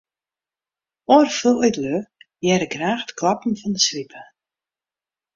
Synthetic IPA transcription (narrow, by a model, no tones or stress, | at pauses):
ɔrfølˠœɥtløjɛɾəɡraːχdkʰlɑpn̩fɔndəsvipʰə